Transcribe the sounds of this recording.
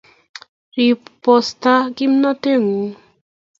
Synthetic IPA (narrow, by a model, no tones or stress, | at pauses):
ɾippɔst̪akimnɔt̪eŋu